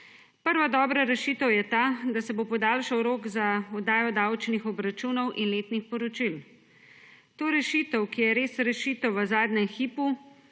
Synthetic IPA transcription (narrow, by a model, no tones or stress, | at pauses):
pəɾʋad̪ɔːbɾaɾɛʃit̪əwjɛt̪aːd̪asɛbopɔd̪aːlʃawɾoːkzaɔd̪aːjɔd̪awt͡ʃnixɔbɾat͡ʃuːnɔwʔinleːt̪nixpɔɾɔt͡ʃil | t̪oːɾɛʃit̪əwkijɛɾeːsɾɛʃiːt̪əwʋəzaːd̪nɲɛmxiːpu